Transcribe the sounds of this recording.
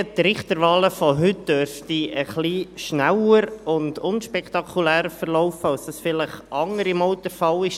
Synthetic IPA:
t̪ɾɪχt̪əɾʋɑːləfɔɦʏt̚d̥øɾftiəχliːʃnæwəɾʊndʊnʃpɛkt̪ɑkʰulæːɾəfəɾlɔʊfəɑlsd̥ɑsfɪləχɑŋəɾɪmɔʊtəɾfɑlɪʃ

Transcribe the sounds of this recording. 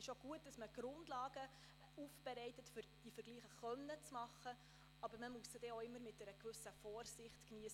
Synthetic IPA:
ɪʃoɡ̥uət̚d̥ɑsməɡ̥ɾʊndlɑːɡ̥ə | uːfb̥ɛɾɛɪtətfʏɾd̥ifəɾɡliːχəχœnːət͡smɑχə | ɑbəɾməmuəssəd̥ɛoɪmːəɾmɪt̚dɛɾəkʋʏsəfɔːrsɪχtkniəs

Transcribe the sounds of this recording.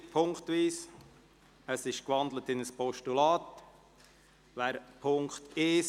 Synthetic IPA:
pʰʊŋktʋiːs | əsɪʃkʋɑnd̪lətɪnəspʰɔʃtulaːt | ʋæːɾpʰʊŋktɪ

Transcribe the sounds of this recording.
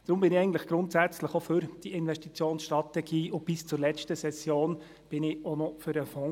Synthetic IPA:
d̪̥ɾʊmbɪnɪɛɪɡn̩t̪ləχɡ̥ɾʊntsæt͡sləχofʏɾd̥iʔɪnʋɛʃtit͡sjoːnsʃtɾɑtɛɡ̥iːʔʊb̥ɪst͡sʊɾlɛt͡ʃtəsɛsjoːn | b̥ɪnɪonɔfʏɾəfɔ̃

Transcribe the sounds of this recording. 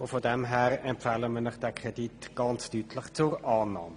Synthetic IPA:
ofodɛmɦɛːɾɛmpfɛləmənɪχd̥ɛkʰʁ̥editɡ̥ɑnt͡styːtʰləχt͡sʊɾɑːnɑ̰ːmə

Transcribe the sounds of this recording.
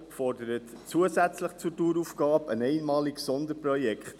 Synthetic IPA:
fɔrdəɾət | t͡suəzæt͡sləχt͡sutuːɾufɡ̥ɑːbənɛɪnmɑːliksɔndəɾprɔjɛkχt

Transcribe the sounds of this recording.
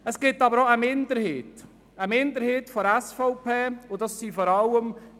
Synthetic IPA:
əsɡ̥ɪtːɑbəɾoəmɪnd̪əɾhɪːt | əmɪnd̪əɾhɪːtfɔæsfɔʊpʰeːʊdɑsːifɔɾɑwəm

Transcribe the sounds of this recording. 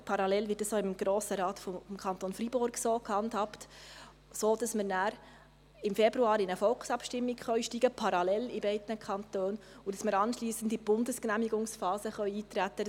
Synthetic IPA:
pʰɑɾɑlɛlvɪtd̥ɑsjoɪmɡ̥ɾoːsəɾɑːt̪fɔmkʰχɑnt̪onfɾibʊɾɡsoːkʰhɑnthɑpt | soːd̥ɑsməɾnæːɾ | ɪmfɛbɾuɑːɾɪnəfɔlksɑpʃtɪmːiɡχœɥʃtiːɡ̥əpʰɑɾɑlɛlibɛɪdənəkχɑnt̪øːn | udɑsməɾɑnʃliːsən̩dib̥ʊndəsknæmiɡʊŋsfɑːsəχœɥiːt̪ɾæt̪ːə

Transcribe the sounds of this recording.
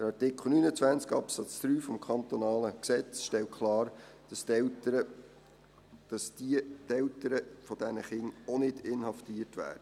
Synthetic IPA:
d̪̥əɾɑrtɪkχl̩ˠnynət͡svænt͡skɑpsɑt͡sd̪̥ɾyːfɔmkʰɑnt̪ɔnɑːləksɛt͡sʃtɛlt̚kʰlɑːɾ̥ | s | ɑstɛltəɾəfɔd̥ɛnəχɪŋonɪd̥ɪnhɑftiətʋæ̰ːd̥ə

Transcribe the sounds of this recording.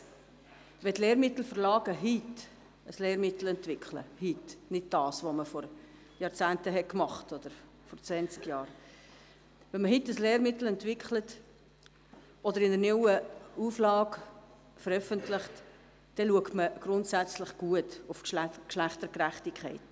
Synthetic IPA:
ʋɛtleːɾmɪt̪l̩fərlɑːɡəɦit | əsleːɾmɪtl̩ɛntvɪkʰlə̰hitnɪd̥̚d̥ɑːsʋoməfɔɾ | jɑːɾt͡sæːntəɦɛt̚kmɑχtɔd̥̪əɾ | fɔɾt͡sʋɛnt͡skjɑːɾ | ʋɛnməɦitːəsleːɾmɪtl̩ɛntvɪkχlət | ɔdəɾɪnəɾnɪwəuflɑːk | fəɾœfəntlɪχt | d̥ɛluəktməɡ̥ɾʊntsæt͡slɪχɡ̥uətʊfkkʃlæχtəɾkɾæχtikʰχɛ̰ɪt

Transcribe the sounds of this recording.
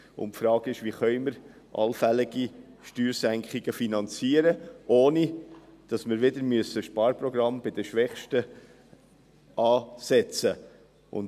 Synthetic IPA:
ʊ̰nfɾɑːɡ̥ɪʃʋiχœʏməɾ | ʔɑ̰lfɛlɪɡi | ʃtyːɾsæŋkχɪɡ̥əfinɑnt͡siːəɾəʔoːnid̥ɑsmɪɾʋɪdəɾmyəsəʃpɑːɾprɔɡrɑmbɪd̥əʃʋɛχʃtə | ʔɑːsɛt͡sə | ʔʊ̰n

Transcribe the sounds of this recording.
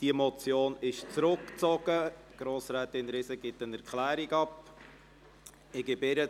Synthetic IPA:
d̥iəmɔt͡sjoːnɪʃt͡sɾʊkt͡sɔɡ̥əɡ̥ɾoːsɾæːt̪ɪnɾɪsəɡɪt̪ənɛɾkχlæːɾiɡɑp | ɪɡɪbɪɾə

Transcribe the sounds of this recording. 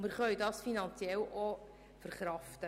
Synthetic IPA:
mɪɾχœjdɑsfinɑnt͡sjɛlo | fəɾχɾɑftə

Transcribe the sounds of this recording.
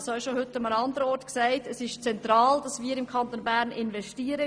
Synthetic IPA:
sɑiʃohʏtːəmənɑndəɾəɔɾtksæɪtəsɪʃt͡sɛntɾɑːld̥ɑsʋiːəɾɪmkʰɑntoːnbæːɾnɪnvɛʃtiəɾə

